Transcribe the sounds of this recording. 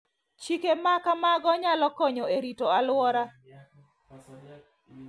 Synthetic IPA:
t͡ʃikemakamaɡɔɲalɔkɔɲɔeɾitoalwɔɾa

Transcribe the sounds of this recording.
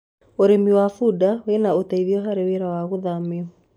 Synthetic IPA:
oɾemiwafudawenaotaiðjɔɦaɾeweɾawaɣoðameɔ

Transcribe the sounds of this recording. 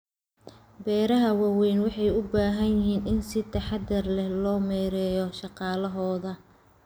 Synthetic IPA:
bɛːɾɐɦɐwɑwɛjnwɑħɑjʊbaːɦɐnjɪɦiːnɪnsɪt̪ʰɐħɑd̪ɐrlɛhlɔːmɛːɾɛːjɔʃɑqɑːlɐɦɔːðɐ

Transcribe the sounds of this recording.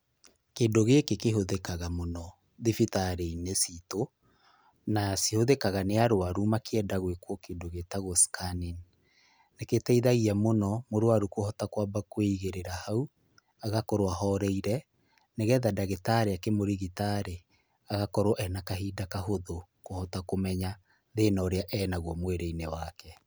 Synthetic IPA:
kendoɣekekeɦoðekaɣamonɔ | ðifitaɾeinesito | nasihoðekaɣaneaɾoaɾumakeɛdaɣwekwɔkendoɣetaɣoskʰanin | neketɛiðaɣiamonɔmoɾowaɾukohɔtakwabakweiɣeɾeɾahau | aɣakɔɾwaɦɔɾɛiɾɛ | neɣɛðadaɣetaɾeakemoɾiɣitaɾe | aɣakɔɾwʔɛnakaɦiːdakaɦoðokohɔtakomɛɲa | ðenɔːɾeaʔɛːnaɣwɔmweɾeinewakɛ

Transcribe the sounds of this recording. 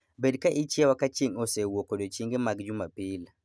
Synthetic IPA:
bɛdkaʔit͡ʃiɛwakat͡ʃːiŋɔsɛwɔkɔɗɔt͡ʃiŋɡɛmaɡd͡ʒumapil

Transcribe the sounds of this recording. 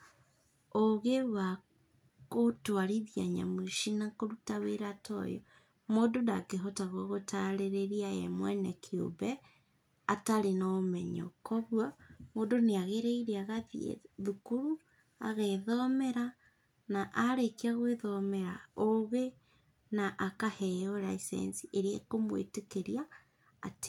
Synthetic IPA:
oɣewa | kotoaɾiðja̰ɲa̰mwiʃinakoɾutaweɾatɔ̰jɔ̰ | moːdondakeɦɔtaɣwɔɣotaɾeɾeɾiaɛ̰mwɛ̰nɛkʰio̰bɛ | ataɾenaomɛɲɔ̰kɔβwamoːndoneaɣeɾeiɾeaɣaðḭḛðukuɾu | a̰ɣeðɔmɛɾa | naʔaɾekiaɣweðɔmɛɾaoɣe | naʔakahɛɔɾaisɛ̰nsiʔeɾiekomwḛtekeɾiaː | te̥

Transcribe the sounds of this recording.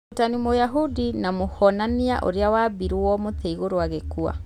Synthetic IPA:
otanimojaɦudinamohɔnania̰ʔo̰ɾeawaːbiɾwɔmoteiɣoɾoaɣekua̰

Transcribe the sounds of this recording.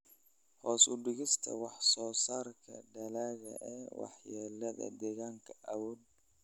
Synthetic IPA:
hɔːsʊɖɪɣɪst̪ʰɐ̰wɑħsɔːsaːrkʰɐ̰ɖɐlaːɣɐ̰ʔɛːwɑ̰ħjɛːlɐðɐ̰d̪ɛɣaːŋkʰɐʔɐwɔːd̪̚

